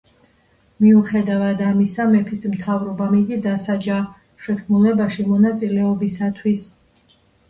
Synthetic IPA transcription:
miuχɛd̪avad̪amisamɛpʰismt̪ʰavɾɔbamid̪id̪asad͡ʒa | ʃɛt̪kʰmulɛbaʃimɔnat̪sʼilɛɔbisat̪ʰwis

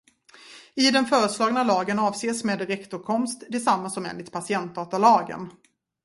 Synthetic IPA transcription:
ɪd̪ɛnfœːɾəslɑːɡnalɑːɡənɑːvseːsmeːd̪ɾɛkt̪ʊɾkʰɔmst̪d̪ɛsamːasɔmḛːnlɪt̪̚pʰasɪɛnt̪̚d̪ɑːt̪alɑːɡə̰n

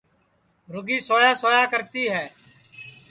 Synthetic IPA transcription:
ɾʊɡiːsoːjaːsoːjaːkəɾt̪iːɦɛː

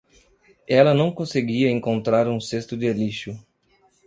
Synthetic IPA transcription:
ɛlɐnɐ̃w̃kõseɡiɐẽŋkõnt̪ɾaɾũsest̪ʊd̪ɪeliʃʊ

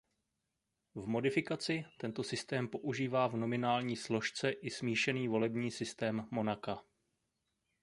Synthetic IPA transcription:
vmo̞dɪfɪkat͡sɪt̪ɛnt̪o̞sɪst̪ɛːmpo̞ʔuʒiːvaːvno̞mɪnaːlɲiːslo̞ʃt͡sɛʔɪsmiːʃɛniːvo̞lɛbɲiːsɪst̪ɛːmːo̞naka

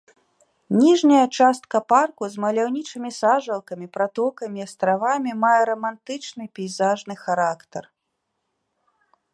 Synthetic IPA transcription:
nʲiʐnʲɐjɐt͡ʂast̪̚kɐparkuzmɐlʲawnʲit͡ʂɨmʲisaʐɐlˠkɐmʲipɾat̪ɔkɐmʲiɐst̪ɾavamʲimajɛɾɐmant̪ɨt͡ʂnɨpʲɛjzaʐnɨxaɾakt̪ɐr

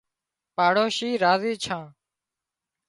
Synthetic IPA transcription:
paːɽoːʃiːɾaːziːt͡ʃʰãː

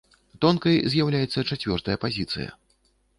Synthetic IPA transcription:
t̪ɔnkɐjzʲjawlʲajɛt̪sːɐt͡ʂat͡sʲvʲɔrt̪ɐjɐpazʲit̪sɨ̰jɐ̰

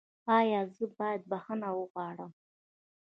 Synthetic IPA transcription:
ɑjɑzəbɑjad̪̚baxənawəɣwɑɽəm

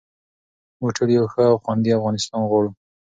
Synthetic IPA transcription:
moʈəɽjawxəawxwand̪iafɣɑnɪst̪ɑnɣwɑɽu

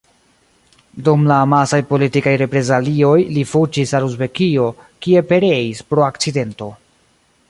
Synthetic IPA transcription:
dumlamasajpo̞litikajɾe̞pɾe̞zalio̞jlifut͡ʃisaluzbe̞kio̞kie̞pe̞ɾe̞ispɾo̞akt͡side̞nto̞

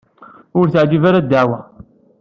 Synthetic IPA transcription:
ʊɾθəʕd͡ʒivaɾad̪aʕwæ

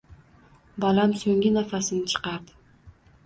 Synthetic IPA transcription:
bɑlˠamsɵŋɡʲinɑfasɪnt͡ʃʰɨ̥qɑp

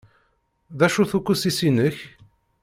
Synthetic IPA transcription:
ðæʃuθukːusisinəç

